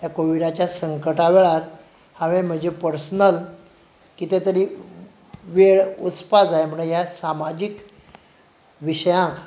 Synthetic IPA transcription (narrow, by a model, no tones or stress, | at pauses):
ɦjakoʋiɽat͡ɕjasəŋkəʈaʋeɭaɾ | haʋẽm̤əɳd͡ʑepəɾsnəl | kit̪et̪əɾi | ʋeɭut͡spad͡zaem̤əɽjasamad͡ʑik | ʋiɕəjãk